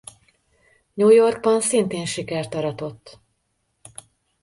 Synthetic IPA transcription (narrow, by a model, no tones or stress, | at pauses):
ɲuːjo̞rɡ̚bɒnsint̪eːnʃikɛrt̪ɒɾɒt̪o̞t̪ː